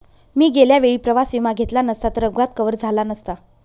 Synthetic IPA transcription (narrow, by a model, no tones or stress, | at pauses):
miːɡeljaʋeɭiːpɾəʋasʋimaɡʱet̪lanəst̪at̪əɾəɡʋat̪̚kəʋəɾd͡zʱalanəst̪a